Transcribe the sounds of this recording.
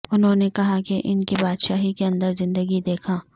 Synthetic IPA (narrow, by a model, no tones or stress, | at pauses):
ʊnɦõːnekɐɦakeʔɪnkibaːd̪ʃaːɦikeɐ̃nd̪əɾzɪ̃nd̪əɡid̪eːkʰaː